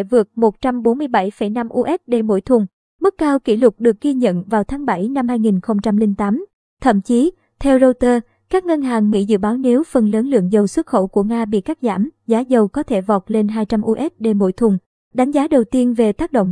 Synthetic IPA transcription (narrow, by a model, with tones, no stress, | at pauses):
vɨ˨˩ək̚mo˨˩t̚t͡ɕa˧mɓo˨˦nmɨ˧əjɓa˧˩jfə˧˩jna˧mʔu˧ʔɛ˦˥t̚ɗe˧˩mo̰˧˩jt̪ʰʊ˨˩ŋ͡m | mɨ˦˥kːaː˧wkḭ˧˩lʊ˨˩k͡p̚ɗɨ˨˩ək̚ːɣi˧ɲə̰˧˨nvaː˨˩wt̪ʰaː˨˦ŋɓa˧˩jna˧mhaː˧jŋi˨˩nxə˧wŋ͡mt͡ɕa˧mlï˧ŋt̪aː˨˦m | t̪ʰə̰˧˨mt͡ɕi˨˦ | t̪ʰɛ˧wzo˧t̪əː˧ | kaː˦˥k̚ŋə˧nɦaː˨˩ŋmḭ˧˥zɨ̰˧˨ɓaː˨˦wni˨˦wfə˨˩nləː˨˦nlɨ̰˧˨əŋzə˨˩wswə˦˥t̚xo̰˧˩wku˧˩əŋaː˧ɓḭ˧˨ka˦˥k̚za̰ː˧˩mzaː˨˦zə˨˩wkɔ˨˦t̪ʰe˧˩vɔ˨˩t̚le˧nɦaː˧jt͡ɕa˧mʔu˧ʔɛ˦˥t̚ɗe˧˩mo̰˧˥˩jt̪ʰʊ˨˩ŋ͡m | ɗa˨˦jŋ̟zaː˨˦ɗə˨˩wt̪i˧ənve˨˩t̪aː˦˥k̚ɗo̰˧˨wŋ͡m